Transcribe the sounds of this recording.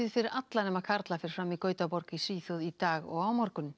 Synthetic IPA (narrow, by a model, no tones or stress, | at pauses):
ɪðfɪɾɪɾʔat̪lanɛmaðkʰaɾt̪lafɪɾɪɾ̥fɾamːikœːɥt̪apɔɾkisiːθoðit̪aːɣɔ̰ɣaːwmaɾkʏnm